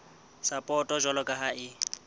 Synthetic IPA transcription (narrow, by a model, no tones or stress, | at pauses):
sapʼɔtʼɔʒɔlɔkʼaɦaʔɪ